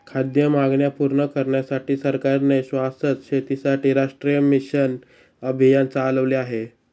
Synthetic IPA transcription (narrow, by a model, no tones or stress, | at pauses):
kʰad̪jəmaɡɳjapuɾɳəkəɾɳjasaʈiːsəɾkaɾneɕʋasət̪ɕet̪isaʈiːɾaʂʈɾijəmiɕən | əbʱijant͡saːləʋleaɦe